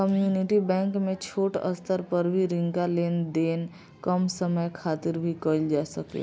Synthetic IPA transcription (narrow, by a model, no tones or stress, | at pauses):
kəmjuːnɪʈibɛ̃ːŋkmẽt͡ʃʰoːʈə̰st̪ʰəɾpəɾbʱiɾɪ̃ŋkaleːnd̪eːn | kəmsəməjkʰaːt̪ɪɾbʱikəld͡ʒaːsəkḛ